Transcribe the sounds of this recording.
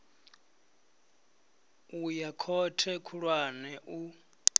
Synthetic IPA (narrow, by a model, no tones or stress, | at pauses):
ujakʰɔtʰɛkʰuɺwanɛʔu